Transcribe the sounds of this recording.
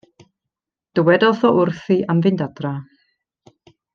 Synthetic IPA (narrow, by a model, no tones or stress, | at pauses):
d̥əwɛdɔθɔʊrθiʔamvɨndadra